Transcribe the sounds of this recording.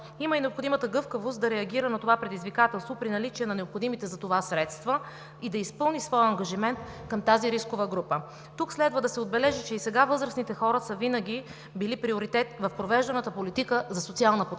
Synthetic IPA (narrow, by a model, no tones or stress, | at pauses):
iməinɛopxod̪imət̪əɡɤfkəvost̪̚d̪ɐɾɛɐɡʲiɾənɐt̪ovapɾɛd̪izvikat̪ɛlˠst̪vopɾinɐlit͡ʃiɛnɐnɛopxod̪imit̪ɛzɐt̪ovasɾɛt̪st̪və | id̪ɐispɤlˠnisvɔjɐŋɡɐʒimɛnt̪ | kəmt̪aziɾiskovəɡɾupə | t̪ukslɛd̪vəd̪ɐsɛod̪̚bɛlɛʒit͡ʃɛisɛɡavɤzɾəsnit̪ɛxɔɾəsəvinəɡʲi | bilipɾioɾit̪ɛt̪vɐfpɾovɛʒd̪ɐnət̪əpolit̪ikəzɐsot̪sialˠnəpo